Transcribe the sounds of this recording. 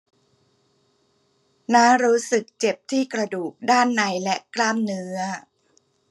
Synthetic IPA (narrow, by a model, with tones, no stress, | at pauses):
naː˦˥ŋɾuː˦˥sɯ˨˩k̚t͡ɕe˨˩p̚t̪ʰiː˥˩kɾa˧duː˨˩k̚daː˥˩nːa˧˦˥jlɛ˦˥klaː˥˩mnɯ˦˥ɐ